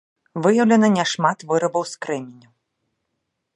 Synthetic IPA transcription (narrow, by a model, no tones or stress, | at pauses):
vɨjɐwlʲɛnɐnʲɛʂmat̪vɨɾɐbɐwskɾɛmʲinʲu